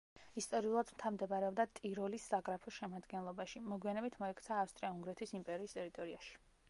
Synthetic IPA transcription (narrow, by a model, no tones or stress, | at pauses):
ist̪ʼɔɾiulˠad̪mt̪ʰamd̪ɛbaɾɛɔbd̪at̪ʼiɾɔlisːaɡɾapʰɔʃɛmad̪ɡɛnlˠɔbaʃimɔɡwianɛbit̪ʰmɔɛkʰt̪sʰaːfst̪ʼɾiauŋɡɾɛt̪ʰisimpʼɛɾiːst̪ʼɛɾit̪ʼɔɾiaʃi̥